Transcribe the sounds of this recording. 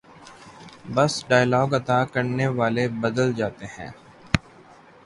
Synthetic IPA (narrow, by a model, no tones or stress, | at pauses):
bɐsɖaːjlɔːɡɐt̪aːkɐɾneʋaːlebɐd̪əld͡ʒaːt̪eɦɛ̰̃ː